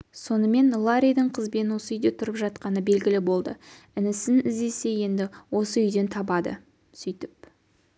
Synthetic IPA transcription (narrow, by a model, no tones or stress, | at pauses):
so̞nəme̞nlˠaɾʲijd̪əɴqʰəzbe̞nwo̞səʏjd̪e̞t̪ʰʊɾəpʒɑt̪qɑnəbe̞lɡʲɪlɪbo̞lˠd̪ə̰ | ɪnɪsɪnɪzd̪e̞se̞je̞nd̪ɪwo̞səʏjd̪e̞nt̪ʰɑbɑd̪ə̰ | sʏjt̪ɪp̚